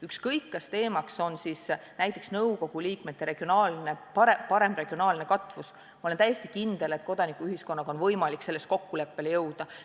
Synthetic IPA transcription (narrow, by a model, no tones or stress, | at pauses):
ykskɤjkːɑst̪e̞ːmɑkso̞nsisnæjt̪ːˑe̞ksnɤwko̞ɡ̥uliːkmet̪ːˑeɾe̞ɡ̥io̞nɑːlne̞pɑɾepɑɾe̞mbre̞ɡ̥io̞nɑːlne̞kɑt̪ˑvus | ɑolent̪æjːe̞st̪i̥kind̪̥e̞le̞t̪ko̞d̪̥ɑnikːˑuyɦisko̞nːɑɡɑo̞nvɤjmɑlikse̞lːe̞sko̞kːule̞pːe̞lejɤwd̪̥ɑ